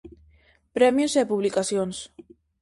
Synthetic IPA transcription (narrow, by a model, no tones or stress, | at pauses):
pɾɛmjuzepuβlikasjons